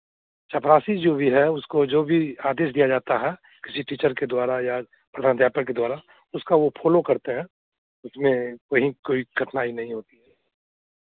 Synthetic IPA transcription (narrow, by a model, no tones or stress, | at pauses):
t͡ʃapɾaːsid͡ʒoːbʱiɦɛʊskod͡ʒoːbʱiaːd̪eːʃ̬d̪ijad͡ʒaːt̪aɦɛ | kɪsiʈiːt͡ʃəɾked̪waːɾaja | pɾɐd̪ʱaːnt̪jaːpəked̪waːɾa | ʊskaʋopʰoːlokɐɾt̪eɦɛ̃ | ʊsmẽkɐɦĩkoːiɡʱɐʈnaːinɐɦĩɦoːt̪iɦɛː